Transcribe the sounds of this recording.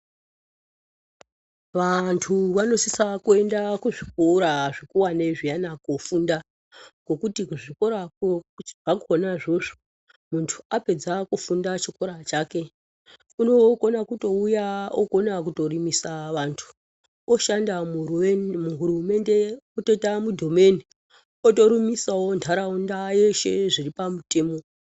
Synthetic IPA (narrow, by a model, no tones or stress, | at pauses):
ʋantʰuʋano̞sisakue̞ndakuʐikoɾaʐikuwaneʐijanakofunda | ɡo̞kutikuʐiko̞ɾakʐakuonaʐo̞ʐo̥ | muntʰu̥ape̞d͡zakufundat͡ʃiko̞ɾat͡ʃaːke̞ | uno̞konakuto̞ujao̰konak̬uto̞rimisaʋantʰu̥ | oʃanda | muɦurume̞nde̞ototamudʱo̞me̞ni | oto̞ɾimisao̞ntʰaɾaundaje̞ʃe̞̰ʐiripamute̞ːmo̞